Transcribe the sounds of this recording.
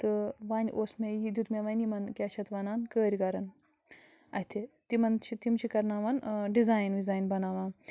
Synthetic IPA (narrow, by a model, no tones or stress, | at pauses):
t̪ɨʋaːnʲʔoːsmejid̪ʲut̪meʋɐnʲimɐnkʲaːt͡ʃʰɐt̪ʋɐnaːnkəːɾʲikɐɾɐn | ɐɦt̪ʰit̪imɐnt͡ʃʰit̪imt͡ʃʰikɐɾnaːʋɐnɖizaːjnʋizaːjnbɐnaːʋaːn